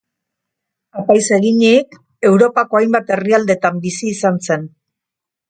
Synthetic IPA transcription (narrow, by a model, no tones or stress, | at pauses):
apajse̞ɣiɲik | e̞wɾo̞pako̞ajmbat̪e̞riald̪e̞t̪ambisiːsanse̞n